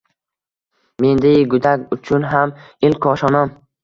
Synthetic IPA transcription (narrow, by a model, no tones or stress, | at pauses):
me̞nd̪ajɡʊd̪aɡʲʊt͡ʃʰʊnɦamɪlkʰɒʃɒnɒm